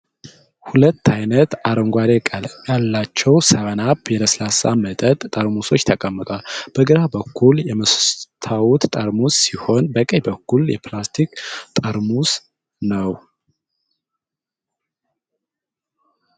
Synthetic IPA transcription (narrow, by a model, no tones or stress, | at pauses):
hulət̪ːajnət̪aɾəŋɡʷaɾekʼaljalːat͡ʃːɛwsəβənabjɛd̪əslasa̰mət̪ʼət̪ʼt̪ʼəɾmuso̞t͡ʃːt̪ʰəkʼəmːɨt̪ʼwalb̥əɡɨɾabəkʰːuljɛməst̪ʰawut̪t̪ʼəɾmusːiho̞nbəkʼəjbəkːuljɛ̰plast̪ʰikt̪ʼəɾmus | nəw